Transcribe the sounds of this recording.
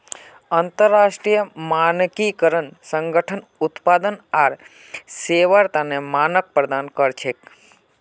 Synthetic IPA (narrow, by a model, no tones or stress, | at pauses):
ant̪əɾːaʃʈɾijəmankikəɾənsəŋɡəʈʰənut̪pad̪ənaɾ | seʋəɾt̪anemanək̚pɾəd̪ankəɾt͡ʃʰek